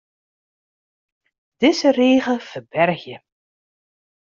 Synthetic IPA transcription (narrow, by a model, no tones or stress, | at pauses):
d̥ɪzəreːɣəfərbɛrxjə